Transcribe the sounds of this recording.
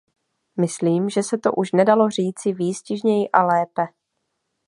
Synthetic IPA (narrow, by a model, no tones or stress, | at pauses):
mɪsliːmʒɛsɛt̪o̞ʔuʃnɛdalo̞r̝iːt͡sɪviːscɪʒɲɛjɪʔalɛːpɛ